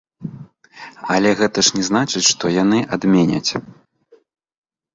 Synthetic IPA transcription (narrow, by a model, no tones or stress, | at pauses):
ɐlʲɛɣɛt̪ɐʂnʲɛznat͡ʂɨt͡sʲʂt̪ɔjan̪ɨʔad̪mʲɛnʲɐ̰t͡sʲ